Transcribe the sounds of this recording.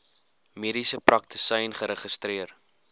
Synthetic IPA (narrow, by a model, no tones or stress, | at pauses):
miɾisəprɐk̚tə̥səjnχəɾəχəstriər